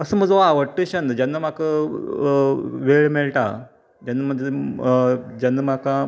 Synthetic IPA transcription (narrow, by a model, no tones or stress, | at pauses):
əsəːm̤əd͡zaʋəɽʈːəɕand̪əd͡ʑjanːam̤akə | ʋeɭmeɭʈa̰ | d͡ʑjanːam̤əd͡ze | d͡ʑanːam̤aka